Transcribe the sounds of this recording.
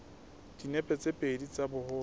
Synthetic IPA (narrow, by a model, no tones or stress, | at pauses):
d̥inɛpʼɛt͡sʼepʼedit͡sʼabʊhʊː